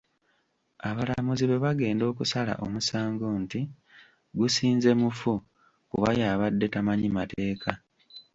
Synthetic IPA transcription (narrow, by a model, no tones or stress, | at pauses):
aβalamuziβe̞βaɡe̞ːndo̞ːkusala̰ʔo̞̰musaːŋɡo̞nti | ɡusiːnze̞mufu | kuβajaːβadːe̞tamaɲimate̞ːkʰa